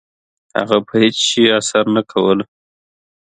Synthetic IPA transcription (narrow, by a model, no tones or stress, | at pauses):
ha̰ɣapʰəhɪt͡sʃiasaɾnakʰawəl